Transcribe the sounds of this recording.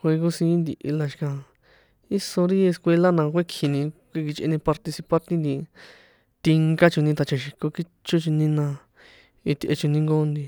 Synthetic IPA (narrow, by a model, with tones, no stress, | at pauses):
xʷe˧ko˧sĩ˧˦nd̪i˧ʔi˧la˧ʃi̥˧kã˧ | i˦so˧ɾi˦e˧skʷe˧la˦nã˧kʷe˦kʰi˧nĩ˧kʷi˧ki˧t͡ʃʔḛ˧nĩ˧pa˧ɾt̪i˧si˧pa˧t̪ĩ˦nd̪i˧ | t̪i˧ŋɡa˦t͡ʃu˧nĩ˧t̪a˨˧t͡ʃa˧ʃi˧ko˧ki˦ | t͡ʃu˦t͡ʃu˧nĩ˧nã˧ | i˧t̪ʔḛ˧t͡ʃu˧nĩ˧ŋɡo˦nd̪i˧